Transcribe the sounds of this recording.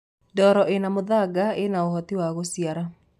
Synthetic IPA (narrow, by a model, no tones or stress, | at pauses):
dɔɾɔʔenamoðaɡaenaoɦɔt̪iwaɣosiaɾa